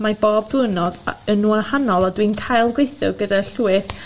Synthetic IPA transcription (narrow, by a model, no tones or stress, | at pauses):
maboːbvɨnɔd̥ənuənhanɔlˠadwinkʰajlˠɡwejθɔ̰ɡədaɬuwɨθ